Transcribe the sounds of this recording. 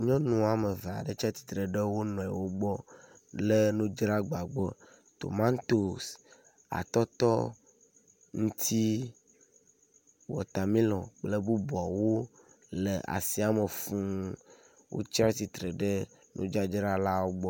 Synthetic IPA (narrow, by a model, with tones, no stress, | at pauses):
ɲɔ̃˦nũ˨a˨mə˨ve˨a̰˨ɖə˦t͡ʃa˦t̪i̥˨t̪ɾə˨ɖə˦wo˦nɔ̃˨ɛ˨wo˦ɡ͡bɔ˦ | le˦nũ˦d͡ʒɾa˦ɡ͡ba˨ɡ͡bɔ˦ | t̪o̰˨mã˦nt̪o˨s | a̰˨t̪ɔ˦t̪ɔ˦ | ŋũ˦t̪ʰi˦ | wɔ̰˨t̪a˨mĩ˦lɔ̃˨k͡plə˦bu˦bu˨a˨wo˦ | lə˨ʔa̰˨si˦a˦mə˨fũ˦ | wʔo̰˦t͡ʃa˦t̪i˨t̪ɾə˨ɖə˦ | nṵ̃˦d͡ʒa˦d͡ʒɾa˦la˦wo˦ɡ͡bɔ˦